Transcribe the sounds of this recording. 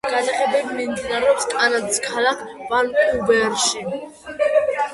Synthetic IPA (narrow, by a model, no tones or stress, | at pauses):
ɡ̥asaχɛbɛbimimd̪inaɾɛɔpskʼanad̪skʰalakʰvanubɛɾʃi